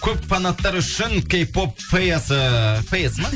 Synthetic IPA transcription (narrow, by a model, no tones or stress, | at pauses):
kʲʰɵpfanɑt̪ːɑɾʏʃɪnkʲejpopːʰejasəpʰejesəmɑ